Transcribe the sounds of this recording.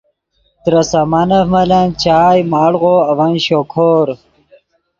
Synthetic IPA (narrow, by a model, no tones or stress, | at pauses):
t̪ɾɐsɐmɐnɐfmɐlɐnt͡ɕaːjmaːɽʁoːɐʋɐnɕokʰoːɾ